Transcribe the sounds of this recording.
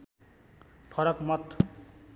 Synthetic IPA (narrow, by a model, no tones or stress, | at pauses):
pʰʌɾʌkmʌt̪